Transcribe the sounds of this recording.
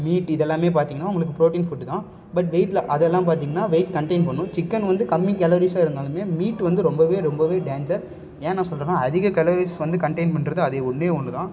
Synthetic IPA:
miːʈɪðɛlːaːmeːpaːɾt̪iːŋɡɐnːaːʊŋɡɐɭɯkːɯpɾoːʈiːnfʊʈːt̪ãː | bɐʈ̬ʋeɪʈlɐʔɐðɛlːãːpaːɾt̪̬iːŋɡɐnːaːʋeɪʈkɐɳʈɐɪnpɐɳːʊ̃t͡ʃɪkːɐnʋɐnd̪ɯkɐmːɪ̃ŋkɛlɔɾisaːɪɾɯnd̪aːlɯmeːmiːʈʋɐnd̪ɯɾɔmbɐʋeːɾɔmbɐʋeːɖeːnd͡ʒɐɾ | ẽːnãːsɔlɾɐnãːɐðɪɣɐkɛlɐɾisʋɐnd̪ɯkɐɳʈɐɪnpɐɳːɾɐðɯɐðeːʊɳmeːɔɳːɯt̪ãː

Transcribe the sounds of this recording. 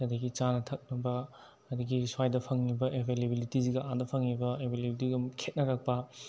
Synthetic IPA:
ɐdɐɡit͡ʃanɐtʰɐk̚nɐbɐ | ɐdɐɡiswajdɐpʰɐŋnibɐʔebʱelebilitiziɡɐʔandɐpʰɐŋnibɐebʱelebitiɡumkʰet̚nɐɾɐk̚pɐ

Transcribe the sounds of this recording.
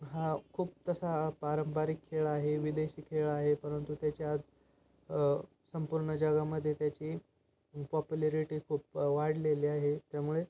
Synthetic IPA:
ɦakʰuːp̚t̪əsapaɾəmbaɾikʰːeɭaɦeʋid̪eɕiːkʰːeɭaɦepəɾənt̪ut̪jat͡ɕiad͡z | səmpuɾɳəd͡ʑəɡaməd̪ʱːjet̪jat͡ɕiː | pɔpjuleɾiʈiːkʰuːp̚ʋaɽleliːaɦet̪jamuɭe

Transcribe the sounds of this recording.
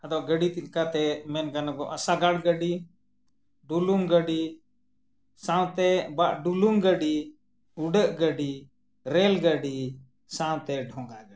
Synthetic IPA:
ad̪ɔʔɡəɖit̪it̪kat̪ɛmɛnɡanaɡɔʔasaɡaɽɡəɖi | ɖuluŋɡəɖi | sãw̃t̪ɛbaʔɖuluŋɡəɖi | uɖəʔɡəɖi | ɾɛlɡəɖi | sãw̃t̪ɛɖʱɔ̃ŋɡaɡəi

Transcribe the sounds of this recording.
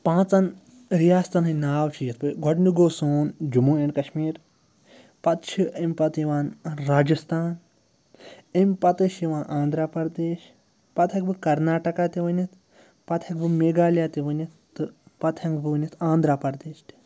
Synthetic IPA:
pãːt͡sɐn | ɾijaːst̪ɐnɦɐnaːwt͡ʃʰijɐt̪pɨɡɔɖnuɡoːsoːnd͡ʒumuːeɖkɐʃmiːɾ | pɐt̪t͡ʃʰiɐmʲpɐt̪iʋaːnɾaːd͡ʒɐst̪ʰaːn | ɐmʲpɐt̪ɨʃiʋãːnʔãːnd̪ɾaːpɐɾd̪eːʃ | pɐt̪ʰɐk̚bɨkɐɾnaːʈɐkaːt̪iʋɐnit̪ | pɐt̪ʰɐk̚bɨmeːɡaːljaːt̪iʋɐnit̪t̪ːɨpɐt̪ʰɐŋɡbɨʋɨnit̪ʰãːnd̪ɾaːpɐɾd̪eːʃt̪i̥

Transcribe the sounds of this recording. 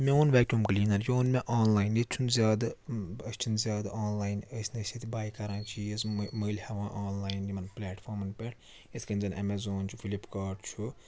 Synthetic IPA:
mʲeunʋɛːkʈʲumkɐliːnɐnjoːnmeʔaːnlaːjind̪it͡ʃʰunzʲjaːd̪ɐəsʲt͡ʃʰunzʲjaːd̪ɐʔaːnlaːjnəsʲnɐsʲit̪ibaːjkɐɾãːt͡ʃʰiesməːlʲhɐʋãːʔaːnlaːjnd̪ʲimɐnplʲɛːʈfʰoːɾmɐnpʲɛʈʰ | iskɐnʲzɐnʔɛ̰mezoːnt͡ʃʰu̥fʰilipkaːʈt͡ʃʰu

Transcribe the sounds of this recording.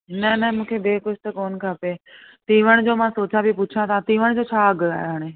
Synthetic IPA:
nɐnɐmũːkʰebeːkʊd͡ʑʱʰt̪ɐkoːnkʰapet̪ĩːʋəɽ̃d͡ʑoːmãsoːt͡ɕabʱipʊt͡ʃʰãt̪ãt̪iːʋəɽ̃d͡ʑoːt͡ɕʰaːəɡa̰ːɦoɦaːɽ̃e

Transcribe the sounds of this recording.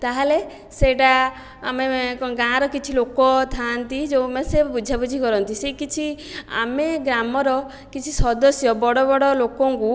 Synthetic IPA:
t̪aɦele | seʈaː | meɡãɾɔkit͡ʃʰilokɔt̪ʰant̪id͡ʒeũmesebud͡ʒʱabud͡ʒʱikɔɾɔnt̪isekit͡ʃʰi | a̰meɡɾamɔɾɔ | kit͡ʃʰisɔd̪ɔsjɔbɔɽɔbɔɽɔlokɔŋku

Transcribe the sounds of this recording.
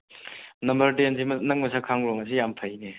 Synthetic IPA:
nɐmbɐɾtensimɐnɐk̚mɐsakʰaŋɾɔŋɐs̬ijampʰɐjne

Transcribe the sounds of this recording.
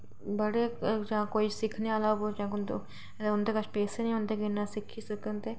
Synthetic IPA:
bəɽeːd͡ʒãːkoːiːsɪkʰneaːlaːobod͡ʒãːkʊnd̪o | ʊnd̪eːkət͡ʃʰpɛːseːnĩɦõnd̪eːkɪnːãsɪkʰiːsəkənt̪eː

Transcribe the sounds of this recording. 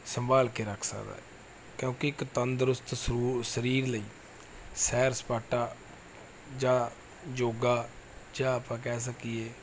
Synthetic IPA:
səmbaːlkeːɾəkʰsə̰kd̪a̰ː | kjõːkeɪkt̪ənd̪əɾʊst̪suːsəɾiːɾləiː | sɛːɾspaːʈaː | d͡ʒãː | d͡ʒoːɡaːd͡ʒãːaːpãːkɛːs̬əkiːeː

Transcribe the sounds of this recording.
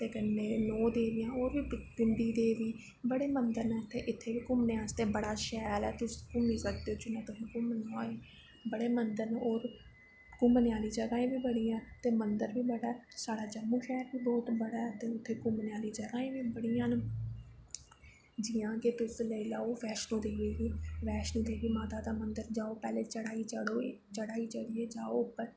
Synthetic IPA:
t̪eːkənːeːnɔːd̪eːʋɪjãːoːɾʋiːpɪmb̪iːd̪eːʋiː | bəɽeːmənd̪əɾnɛt̪eːʔɪt̪ʰːeːʋiːkʊmneãːst̪eːbəɽaːʃɛːlɛːt̪ʊskʊmĩːsəkd̪eoːt͡ʃʊnɛ̃ːt̪ʊɦĩːkʊmənaːeː | bəɽeːmənd̪əɾnoːɾ | kʊmnɪjaːliːd͡ʒəɡaːẽːbiːbəɽiːãːt̪eːmənd̪əɾʋiːbəɽaːɛːsaːɽaːd͡ʒəmːuːʃɛːɾbiːbɔːt̪bəɽaːɛːt̪eːʊt̪ʰːeːkʊmənjaːliːd͡ʒəɡaːẽːʋiːbəɽijãːn | d͡ʒɪːãːket̪ʊsləilaːoːʋɛːʃnõːd̪eːʋeːʋiːʋɛːʃnõːd̪eːʋiːmaːt̪aːd̪aːmənd̪əɾd͡ʒaːoːpɛːleːt͡ʃəɽaːiːt͡ʃəɽoː | t͡ʃəɽaːiːt͡ʃəɽiːeːd͡ʒaːoʊpːəɾ

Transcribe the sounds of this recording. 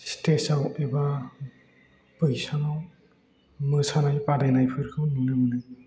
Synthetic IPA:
stesaweba | pɯjsaŋaw | mɯsanajpadajnajpʰɯɾkʰɯwnunɯmɯnɯj

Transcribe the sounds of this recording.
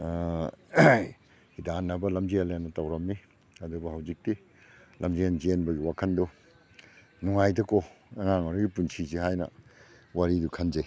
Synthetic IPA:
hidanːɐbɐlɐmd͡ʒialenːɐtawɾɐmːi | ɐduɡɐhawzik̚ti | lɐmd͡ʒienzenbɐɡiwakʰɐndo | nuŋajdɐkoɐŋaŋoɾɐɡipunsʰiziɦajnɐ̰ | waɾidukʰɐnzej

